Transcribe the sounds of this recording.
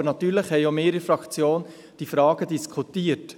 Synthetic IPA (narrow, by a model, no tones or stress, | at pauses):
əɾnɑt̪yːɾləχhɛjomeːɾɪfɾɑkt͡sjoːn | d̥ifɾɑːɡ̥əd̥iskʰut̪iət